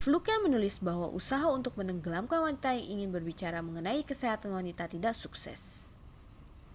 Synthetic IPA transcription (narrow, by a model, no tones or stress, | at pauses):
flukamənulɪsbaɦwa̰ʔṵsaɦaunt̪ʊk̚mənəŋɡəlamkanwanit̪ajaŋʔiŋɪnbərbit͡ʃaɾaməŋənaikəseɦat̪anwanit̪at̪idaksuksɛ̰s